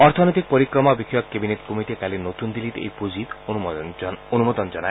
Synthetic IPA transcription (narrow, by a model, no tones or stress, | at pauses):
ɔɾt̪ʰɔnojt̪ik̚pɔɾikɾɔmabikʰjɔkkebinet̪komiʈiekalinot̪und̪ilit̪ḛjpud͡ʑit̪ | onumod̪ɔnd͡ʒɔna